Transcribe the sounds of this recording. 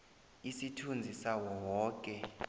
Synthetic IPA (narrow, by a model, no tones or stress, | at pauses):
isitʰund͡zʱisawɔwɔːkʼɛ